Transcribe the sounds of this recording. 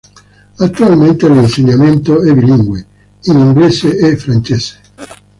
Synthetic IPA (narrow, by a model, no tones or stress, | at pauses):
at̪ːualment̪elinseɲːament̪oɛbiliŋɡwe | iniŋɡleːseefːɾant͡ʃeːse̥